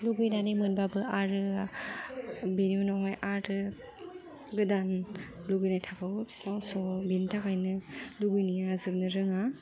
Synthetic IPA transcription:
luɡɯjnanɯmɯnbabɯaɾɯ | beniunɔɦɔjʔaɾɯ | ɡɯdan | luɡɯjnajtʰakʰawbi̥snawsɔbentʰakʰajnɯluɡɯjniazɯp̚nɯɾɯŋa

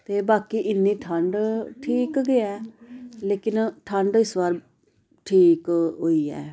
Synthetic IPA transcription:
t̪eːbaːkiːʔɪnːiːʈʰəɳɖʈʰiːkɡɪɛːleːkɪnʈʰəɳɖɪsʋaːɾ | ʈʰiːkɦoːiːɛ̰ː

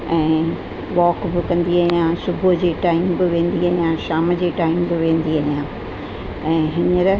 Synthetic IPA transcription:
ɛ̃ː | ʋɔːkbɪkɐ̃nd̪iaːɦjãsʊbʱʊd͡ʑeːʈaːɪmbɪʋẽːn̆d̪iaːɦijãʃaːməd͡ʑeːʈaːɪmbɪʋẽːn̆d̪iaːɦijãː | ɛ̃ːɦɪnəɾ

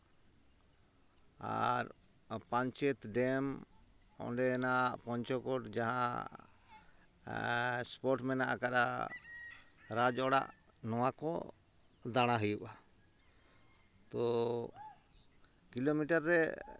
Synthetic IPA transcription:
a̰ɾ | paɲt͡ʃɛt̪ɖɛm | ɔ̰ɖɛnaʔpɔɲt͡ʃɔkɔʈd͡ʒaɦã̰ | spɔʈmɛnaʔakaɾa̰ | ɾad͡ʒɔɽa̰ʔ | nɔwakɔ̰ | d̪aɽ̃aɦujuʔa | t̪ɔ | kilomiʈaɾːɛ

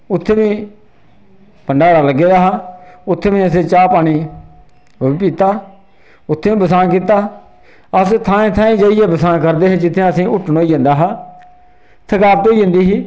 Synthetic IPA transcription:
ʊt̪ʰːeːʋĩː | pəɳɖaːɽaːləɡːeːd̪aːɦaːʊt̪ʰːeːʋĩːəs̬ẽːt͡ʃaːpaːɽ̃iː | oiːpiːt̪aː | ʊt̪ʰːeːĩːbəs̬aːk̬iːt̪aː | əst̪ʰãːẽːt̪ʰãːĩːd͡ʒaijeːbəsãːkəɾd̪eːɦeːd͡ʒɪt̪ʰːẽːəsĩːʔʊʈʰːnoːiːd͡ʒãːnd̪aːɦaː | t̪ʰəkaːb̚t̪oːiːd͡ʒə̃nd̪iːɦiː

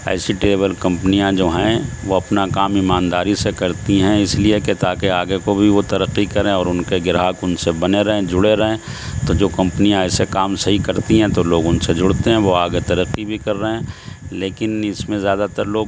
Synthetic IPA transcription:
ɛ̰ːsiʈeːβəlkɐ̃mpənijãd͡ʒoːɦɛ̃ʋoɐpnakaːmɪmãːnd̪aːɾisekɐɾt̪iɦɛ̃ɪslieket̪aːkeaːɡekobʱiʋot̪ɐɾəqːikɐɾẽɔːɾʊnkeɡɪɾɦaːkʊnsebɐneɾɐɦẽd͡ʒʊɽeɾɐɦẽt̪od͡ʒoːkɐ̃mpənijãɛːsekaːmsɐɦikɐɾt̪iɦɛ̃t̪oloːɡʊnsed͡ʒʊɽt̪eɦɛ̃ʋoaːɡet̪ɐɾəqːibʱikɐɾːəɦɛ̃leːkɪnɪsmẽzjaːd̪at̪əɾloːɡ

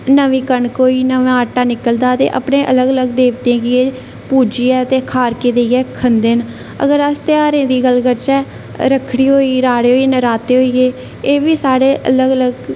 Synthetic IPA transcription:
nəʋiːkəɳkoːiːnəʋãːaʈːaːnɪkəld̪aːt̪ḛːʔə̰pɳẽːʔələɡələɡd̪eːʋt̪ẽːɡɪeː | puːd͡ʒiːɛːt̪eːkʰaːɾkeːd̪eiɛːkʰənd̪en | ə̰ɡəɾəst̪ɪaːɾẽːd̪iːɡəlɡəɾt͡ʃɛː | ɾəkʰɽiːɦoːiːɾaːɽeːɦoːieːnəɾaːt̪eːɦoːiːeː | eːʋiːsaːɽeːʔə̰ləɡələɡ

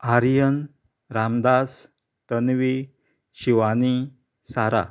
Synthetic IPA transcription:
aɾjən | ɾamd̪as | t̪ənʋi | ɕiʋani | saɾa̰

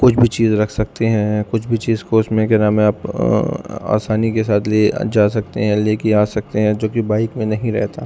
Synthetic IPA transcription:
kʊt͡ʃʰbʱit͡ʃiːzɾɐkʰsɐk̚t̪eɦɛ̃kʊt͡ʃʰbʱit͡ʃiːzkoːɪsmẽkeɾaːmẽaːp | a̰ːsaːnikes̬aːt̪ʰlḛːd͡ʒaːs̬ɐk̚t̪ḛɦɛ̃leːkiaːsɐk̚t̪eɦɛ̃d͡ʒoːkibaːɪkmẽnɐɦĩɾɛ̰ɦt̪aː

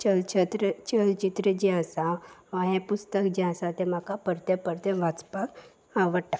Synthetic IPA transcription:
t͡ɕəlt͡ɕʰət̪ɾət͡ɕəlt͡ɕit̪ɾəd͡ʑiasaʋə̃ɦẽpust̪əkd͡ʑiãsat̪ẽm̤akapəɾt̪ə̃pəɾt̪ə̃ʋat͡spak | aʋəʈa

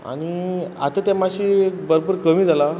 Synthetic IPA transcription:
a̰ɽ̃ia̰t̪at̪jamaɕiekbəɾbəɾkəmĩːd͡zala

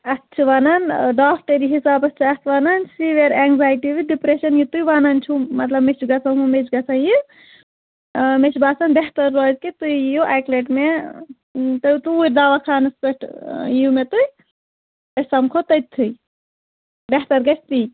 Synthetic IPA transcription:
ɐt͡ʃʰiʋaːnanɖaːpʰʈɐɾiɦisaːbɐst͡ʃʰast̪ʰʋaːnansiʋeɾeŋɡzaːjʈiʋiɖipɾeʃɐnjut̪ujʋaːnɐnt͡ʃʰumɐt̪lɐbmet͡ʃʰɡɐt͡sɐkumet͡ʃʰɡɐt͡sʰɐji | met͡ʃʰbaːsɐnbeɦt̪ɐɾːɔːzkit̪ujjuʔaːkleʈme | t̪ɐt̪uuɾʲd̪aːʋakʰaːnɨspeʈjumet̪uj̪ | ɐsɐmkʰot̪ɐjt̪ʰːuj | beɦt̪ɐɾɡɐt͡ʃʰt̪i

